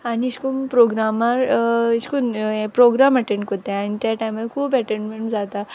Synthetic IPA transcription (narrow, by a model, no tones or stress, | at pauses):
aniɕkunpɾoɡɾamaɾiɕkunpɾoɡɾaməʈẽɳɖkot̪ãanit̪jaʈajməɾkʰuːpəʈeɳɖmeɳud͡zat̪a